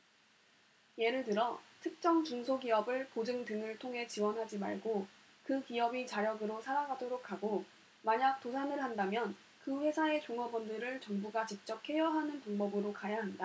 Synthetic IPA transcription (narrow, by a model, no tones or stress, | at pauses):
je̞ɾɯɭtɯɾʌtʰɯk̚t͡ɕ͈ʌŋt͡ɕuŋsʰoɡiʌbɯɭpod͡ʑɯŋtɯŋɯɭtʰoŋɦe̞t͡ɕiwʌnɦad͡ʑima̰ɭɡo | kɯkiʌbit͡ɕaɾjʌɡɯɾosʰaɾaɡadoɾokʰaɡo | maɲak̚t͈osʰanɯɭɦandamjʌn | kɯɸwe̞sʰae̞t͡ɕoŋʌbʌndɯɾɯɭt͡ɕʌŋbuɡat͡ɕik̚t͡ɕ͈ʌk̚hʰe̞jʌɦanɯnpaŋbʌbɯɾokajaɦanda